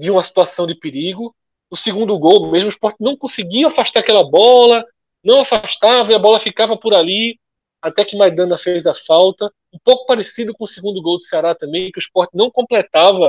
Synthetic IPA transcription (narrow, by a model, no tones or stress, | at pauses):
d̪ɪũmɐsi̥t̪uasɐ̃w̃d̪ɪpeɾiɡʊ | ʊsɪɡũnd̪ʊɡowmeʒmʊiʃpɔɾt̪ɪnɐ̃w̃kõsɪɡiɐafaʃt̪aɾakɛlɐbɔlɐ | nɐ̃w̃afaʃt̪avɐiɐbɔlɐfikavɐpʊɾali | at̪ɛkɪmad̪ɐ̃nɐfejzɐfawt̪ɐ | ũpowkʊ̥paɾɪsid̪ʊkõʊsɪɡũnd̪ʊɡowd̪ʊseaɾat̪ɐ̃bẽj̃kɪʊiʃpɔɾt̪ɪnɐ̃w̃kõmplɛt̪avɐ